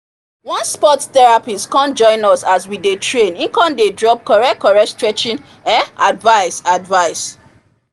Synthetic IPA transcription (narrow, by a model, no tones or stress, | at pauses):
wɔ̃nspɔtt̪ɛɹapiskɔ̃nd͡ʒɔ̃ɪ̃nɔsaswidetʰɹẽnĩŋkɔ̃ndedɹɔp̚kɔɹɛkɔɹɛstɹɛt͡ʃĩn | ɛ̃nadvaɪsadvaɪs